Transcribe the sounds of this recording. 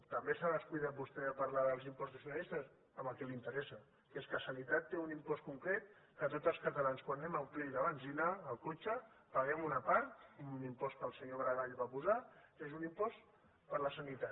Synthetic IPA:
t̪əmbesaðəskujðat̪̚bust̪ɛəpəɾlaðəlˠzimpɔzt̪əsiunalist̪əs | əməlˠkɛlint̪əɾɛsə | keskəsənit̪at̪ːeunimpɔst̪kuŋkɾɛt̪ | kət̪ot̪əlˠskət̪əlanskwanːɛməlˠplɛjðəβanzinaːlˠkot͡ʃə | pəɣɛmunəpaɾt̪unimpɔskəlˠsəɲoβɾəɣaʎβapuzakezunimpɔs | pəɾləsənit̪a

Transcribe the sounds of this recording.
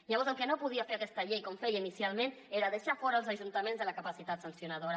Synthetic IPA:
ʎaβɔɾzəŋˠkɛnopuð̞iafeɾakɛst̪ɐʎejkɔmfɛjinisialˠmẽn | eɾaðəʃafɔɾəlˠzəʒunt̪əmẽnzðələkapasit̪at̪sənsjunaðoɾa

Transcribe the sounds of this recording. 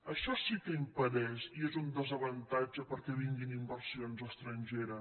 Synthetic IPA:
əʃɔsikəimpəɾɛziezund̪əzəβənt̪ad͡ʒəpəɾkɛβiŋɡinimbərsionzəst̪ɾənʲʒeɾə

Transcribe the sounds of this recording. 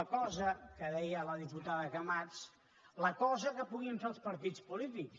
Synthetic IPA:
əkɔzəkəðɛjələðiput̪aðəkəmat͡s | ləkɔzəkəpuɣiəɱfelˠspəɾt̪it͡spulit̪iks

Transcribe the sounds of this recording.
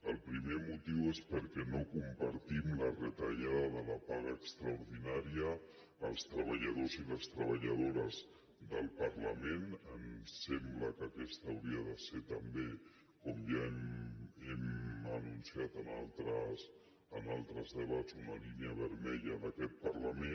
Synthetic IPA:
əlˠpɾimemut̪iwespəɾkɛnokumpəɾt̪imlərət̪aʎaððələpaɣəːkst̪ɾəuɾðinaɾiəː | lˠst̪ɾəβ̞əʎəðoziləst̪ɾəβəʎəð̞oɾəz | d̪əlˠpəɾləmenənsɛmbləkəkɛst̪ːwɾiəðəset̪əmbe | komʒaemɛmənunsiat̪ənalˠt̪ɾəs | ənalˠt̪ɾəzðəβad͡zunəliniəβəɾmɛʎənəkɛt̪̚pəɾləme

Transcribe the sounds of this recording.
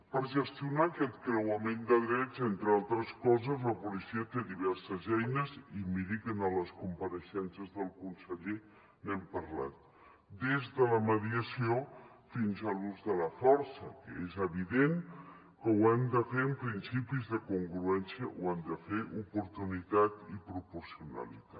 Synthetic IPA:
pəɾʒəst̪iunaːkɛt̪̚kɾəwəmend̪əðɾɛd͡zent̪ɾəalˠt̪ɾəskɔzəzləpulisiət̪eðiβ̞ɛɾsəzɛjnəzimiɾikənələskumpəɾəʃɛnsəzðəlˠkunsəʎe | nɛmpəɾla̰t̪̚ | d̪ezðələməðiəsio | finzəluzðələfɔɾsəkə̰ezəβiðeŋ | kəwɛmd̪əfeəmpɾinsipizðəkuŋɡɾuɛnsiəʔwamd̪əfeʔupuɾt̪unit̪at̪ipɾupuɾsiunə̰lḭt̪a

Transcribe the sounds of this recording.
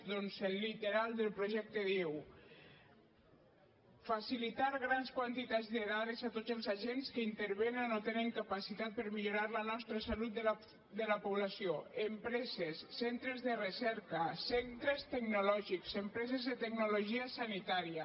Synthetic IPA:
d̪onzelːit̪eɾalˠd̪elˠpɾoʒɛk̚t̪eðew | fasilit̪aɾɣ̞ɾanskwant̪it̪azd̪eðaɾezat̪od̪zelˠzaʒenskəint̪eɾβenanot̪eneŋkapasit̪at̪̚pəɾmiʎuɾaɾlənɔst̪ɾəsalut̪̚ | d̪əlapuβlasioempɾɛzesːent̪ɾezðerəsɛɾkəsent̪ɾest̪eɡnulɔʒikz̥empɾɛzezðet̪eɡ̚nuloʒiəsanit̪aɾiə

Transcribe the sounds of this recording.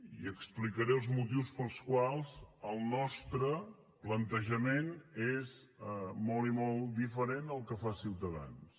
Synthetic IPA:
ḭəksplikəɾeəlˠzmut̪iwspəlˠskwalˠzəlˠnɔst̪ɾə | plənt̪əʒəmenezmɔlˠimɔlˠd̪ifəɾenəlˠkəfasiwt̪əða̰ns

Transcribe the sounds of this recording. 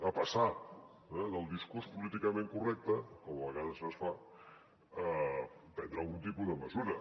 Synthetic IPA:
əpəsa | ɛðəlˠd̪iskuɾspulit̪ikəmẽŋkurɛk̚t̪əkɔməβəɣaðəzəsfa | əpɛnd̪ɾəlˠɣunt̪ipuzðəməzuɾə

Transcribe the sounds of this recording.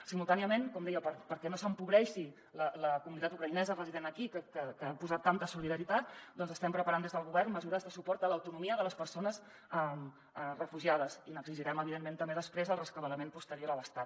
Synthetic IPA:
simulˠt̪aniəmenkɔmd̪ɛjəpəɾpəɾkɛnosəmpuβɾɛʃi | lələkumunit̪at̪ukɾəinɛzərəziðenəkikəkəkəapuzat̪ːant̪əsuliðəɾit̪at̪d̪ɔnzəst̪ɛmpɾəpəɾand̪ezðəlˠɣuβɛrnməzuɾəzðəsupɔɾt̪ələwt̪unumiəðələspəɾsonəz | əm | ərəfuʒiað̞əzinəɡziʒiɾɛməβiðement̪əmbeðəspɾezəlˠrəskəβələmenpust̪əɾioɾələst̪at̪

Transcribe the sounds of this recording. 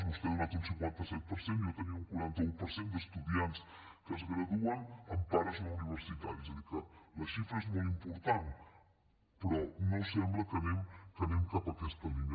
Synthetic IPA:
zmust̪ɛunat̪unsiŋkwant̪əsɛt̪̚pəɾsenijot̪əniuŋkuɾant̪əupəɾsend̪əst̪uðians | kəzɣɾəðuənəmpaɾəzələuniβ̞əɾsit̪at̪ɛzəðikələʃifɾəezmolimpuɾt̪an | pɾɔnosɛmbləkənɛmkənɛmkapəkɛst̪əlinə

